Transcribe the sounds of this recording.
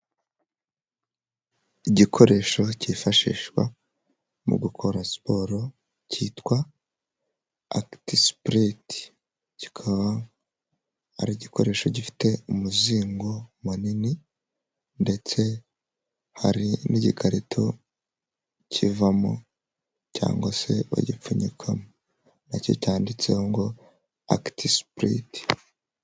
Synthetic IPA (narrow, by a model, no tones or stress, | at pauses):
iɟikʰo̞ɾe̞ʃo̞cifaʃḭːʃkwa̰ | mṵɡukʰo̞ɾaspo̞ɾo̞ | citwa | aktispɾit | ci̥kʰaβa | a̰ɾiɟikʰo̞ɾe̞ːʃo̞ɟifi̥te̞umuziːŋɡo̞munini | nde̞t͡se̞ | haɾinʔiɟikʰaɾitʰo̞ | cʰivamo̰ | ca̰ːŋɡwase̞̰βa̰ɟip͡fuɲikʰamo | naco̞̰caːndit͡sḛhoŋɡo̞ | a̰ktispɾḭti̥